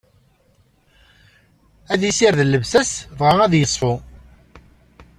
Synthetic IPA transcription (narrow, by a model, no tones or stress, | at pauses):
æðisiɾðəlːəvsæsvʁææðjəsˤfʊ